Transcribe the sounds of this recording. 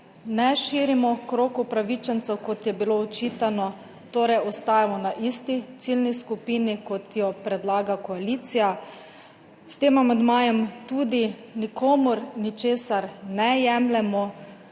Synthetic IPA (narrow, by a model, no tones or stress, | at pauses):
nɛʃiːɾimɔkɾoːkupɾaʋit͡ʃɛnt̪sɛwkɔt̪jɛbiloɔt͡ʃiːt̪anɔ | t̪oːɾɛjɔst̪aːjamɔnaʔist̪it̪silniskupiːnikɔt̪jɔpɾɛd̪laːɡakɔaliːt̪sija | st̪eːmamɛd̪maːjɛmt̪uːd̪i | nikʰoːmuɾnit͡ʃeːsaɾnɛjɛmlɛmɔ